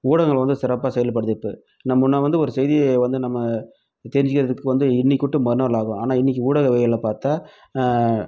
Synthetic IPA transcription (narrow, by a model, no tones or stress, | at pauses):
uːɽɐɣɐŋɡɐɭʋɐnd̪ɯsɪɾɐpːaːsɛjɐlp̬ɐɽɯðɪʈːɯ̰ | nɐmːʊnːɐʋɐnd̪ɯɔɾɯsɛjðɪjeʋɐnd̪ɯnɐmːɐ | t̪ɛːɾɪɲd͡ʒɪkːɪɾɐðɯkːɯʋɐnd̪ɯɪnːikːʊʈːɯmɐɾɯnɐɾlaːɣʊ̃aːnaːɪnːɪk̬ʲːiuːɽɐɣɐʋeːjɐlɐpaːɾt̪aː